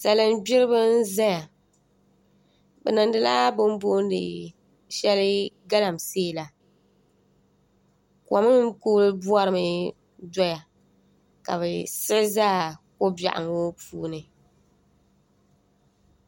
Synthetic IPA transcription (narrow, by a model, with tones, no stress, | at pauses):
sa˨lɨ˦mbɪ˦ɾɨ˦bɨ˦n̩˦za˦ja˨ | bɛ˨nɨ˨n˦dɨ˦laː˦bʊ˦m˦bo˦n˦dɨ̰˨ | ʃɛ˦lɨ˦ɡa˦la˨m˨seː˦˨la˨ | ka˨mɨ˦koː˦lɨ˦bu˦a˦ɾɨ˨mɨ˦ | dɔ˦ja˨ | ka̰˨βɛ˨sɨ˦ʔzaː˦ko˦ba̰˨ʔa̰˨ŋo˦puː˦nɨ˨